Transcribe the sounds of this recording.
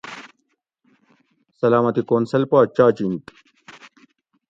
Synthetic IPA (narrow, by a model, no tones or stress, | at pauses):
sɐlaːmɐt̪ikoːnsɐlpaːt͡ɕaːt͡ɕint̪